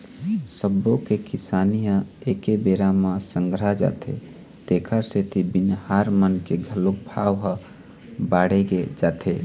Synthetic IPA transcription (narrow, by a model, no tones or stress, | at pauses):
səbokekisaːnijãekebeɾamãsə̃ŋɡɾaɦd͡ʒa̰ːt̪ʰḛ | t̪eːkʰəɾset̪ʰibɪnhaɾmənkeɡʱəlok̚bʱaʋɦə | baɽeɡed͡ʒaːt̪ʰe